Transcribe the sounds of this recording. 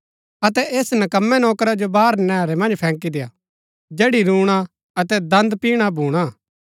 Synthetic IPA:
ɐt̪ɛʔeːsnɐkəmːɛnɔːkɾad͡ʒobaːɾnɛːɾɛmɐ̃nd͡ʒpʰɛ̃ːŋkid̪eːa̰ | d͡ʒeːɽiɾuːɽ̃a | ɐt̪ɛd̪ɐ̃nd̪piːɽ̃abʱuːɽ̃a

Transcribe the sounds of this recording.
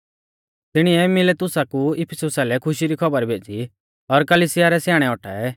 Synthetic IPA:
t̪ɪɽ̃ɪɛmɪlet̪ʊsakuɪpʰɛsʊsalɛkʰʊʃiɾikʰɔbəɾbʱeːd͡ʒi | ɔɾkɐliːsɪjaɾɛsjaːɽ̃ɛɔʈʰa̰ɛ

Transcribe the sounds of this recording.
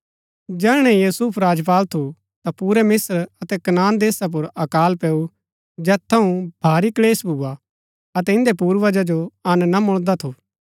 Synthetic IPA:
d͡ʒɛːɽ̃ɛ̃juːsuːpʰɾaːd͡ʒp̬aːlt̪ʰu | t̪apuːɾɛmɪsɾɐt̪ɛkɐnaːnd̪eːsap̬ʊɾɐkaːlpɛːu | d͡ʒɛːt̪ʰːɐũb̥ʱaːɾikleːsbʱuːa | ɐt̪ɛɪ̃nd̪epuːɾʋad͡ʒad͡ʒoɐnnamʊɭ̃d̪at̪ʰuː

